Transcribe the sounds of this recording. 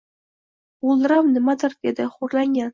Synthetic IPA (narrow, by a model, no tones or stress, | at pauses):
ulˠd̪ɾamnɪmad̪ɪɾd̪ed̪ɪχoɾlaŋɡʲan